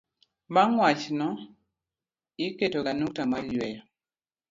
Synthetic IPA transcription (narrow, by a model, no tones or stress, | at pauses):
baŋwat͡ʃnɔ | iketoɡanuk̚tamalwɛjɔ